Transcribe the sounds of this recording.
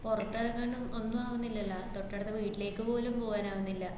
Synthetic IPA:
porɐt̪ːɐrɐkːɐɳumo̞nːumaːʋunːilːɐlːɐt̪o̞ʈːɐɽɐt̪ːɨʋiːʈːile̞ːkːɨpo̞ːlumpo̞ːɣaːnaːʋunːilːɐ

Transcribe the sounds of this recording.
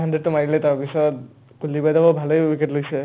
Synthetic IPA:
ɦandɹeɖ̚tɔmaɹilɛtawpisɔt̪̚ | kulːibajdabɔbʱalojwiketlojsɛ

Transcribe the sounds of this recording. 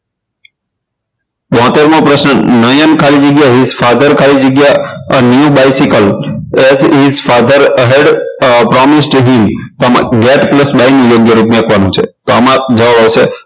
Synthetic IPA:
ʋɔ̃ɦt̪eɾmõpɾəʃnənəjənkʰalid͡ʒəɡjaɦizfad̪əɾkʰalid͡ʒəɡjanjubajsikəlɛzɦizfad̪əɾɦeɖpɾɔmisʈɦimt̪omã̰ɡɛʈpləsbajnũjoɡjəɾupmãkʰʋanũt͡ʃʰḛt̪oəmãd͡ʒəʋaʋaʋʃe

